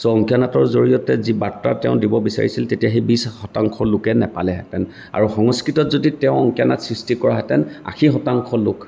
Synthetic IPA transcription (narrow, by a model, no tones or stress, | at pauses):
sɔɔŋkjanatɔɹzoɹijɔtɛzibatːa̰tɛʊ̃dibɔbisa̰ɹḭsiltetijaxebishɔtaŋkʰɔlʊkɛnɛpalɛɦɛtɛn | a̰ɹuxɔŋɔskɹitɔtzoditɛʊ̃ɔŋkijanatsɹistikɔɹaɦɛtɛna̰xʰixɔtaŋkʰɔlʊk